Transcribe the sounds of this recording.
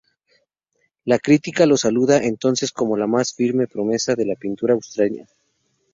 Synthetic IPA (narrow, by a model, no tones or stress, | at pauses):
lakɾit̪ikalo̞saluðaʔe̞nt̪o̞nse̞sko̞mo̞lamasfiɾme̞pɾo̞me̞saðe̞lapint̪uɾaːwst̪ɾaɲa̰